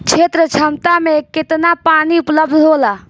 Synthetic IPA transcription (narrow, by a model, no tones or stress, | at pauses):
t͡ʃʰet̪ɾət͡ʃʰəmt̪ameket̪napaniupləbd̪ʱɦola